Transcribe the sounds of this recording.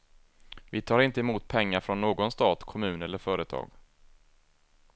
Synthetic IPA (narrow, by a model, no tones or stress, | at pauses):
vɪt̪ʰɑːɾɪnt̪əɛmuːt̪̚pʰɛŋːaɾfɾɔnːoːɡɔnst̪ɑːt̪kʰɔmʉ̟ːnɛlːəɾfœːɾət̪ʰɑ̰ːɡ